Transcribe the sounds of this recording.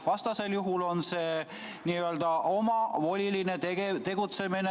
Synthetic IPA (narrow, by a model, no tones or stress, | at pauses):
vɑst̪ɑse̞ljuɦulo̞nse̞ː | niːøld̪ɑʔo̞mɑvo̞lʲiline̞eɡet̪e̞ɡ̥ut̪se̞mine